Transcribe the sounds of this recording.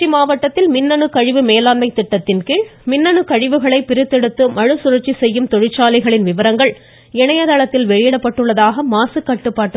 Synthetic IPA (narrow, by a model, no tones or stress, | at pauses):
rimaːʋɐʈːɐt̪ːɪlmɪnːɐnɯkɐɻɪʋɯmeːlaːnmɐɪt̪ːɪʈːɐt̪ːɪnkiɻmɪnːɐnɯkɐɻɪʋɯɣɐɭɐɪpːɪɾɪt̪ːɛɽɯt̪ːɯmɐɻɯsʊɾɐrt͡ʃːisɛjːɯmt̪ɔɻɪt͡ʃːaːlɐɪɣɐɭɪnʋɪʋɐɾɐŋɡɐɭ | ɛɳɐjɐðaːɭɐt̪ːɪlʋɛɻɪjɛɽɐpːɐʈːɯɭːɐðaːɣɐmaːsɯkːɐʈːɯpːaːʈːɯ